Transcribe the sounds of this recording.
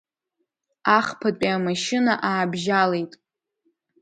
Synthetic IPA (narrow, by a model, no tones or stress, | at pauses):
aχpʰatʷʼiamaʃɪnaʔaːbʒale̞jtʼ